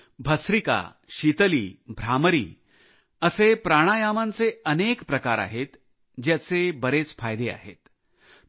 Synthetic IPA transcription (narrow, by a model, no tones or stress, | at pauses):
bʱəsɾika̰ | ɕit̪əliːbʱɾaməɾiː | əsepɾaɽ̃ajamant͡seənekpɾəkaɾa̰ɦet̪ | d͡ʑjat͡sebəɾet͡sfajd̪ea̰ɦḛt̪